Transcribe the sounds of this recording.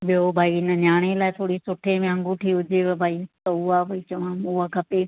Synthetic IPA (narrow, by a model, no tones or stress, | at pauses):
ɓijobʱaːiɪnənjaːɽ̃elaːɪt̪ʰoːɽisʊʈʰemẽə̃ŋɡũʈʰiːɦʊd͡ʑeʋbʱaːit̪ɐuaːbʱait͡ɕɐʋ̤ãmakʰɐpe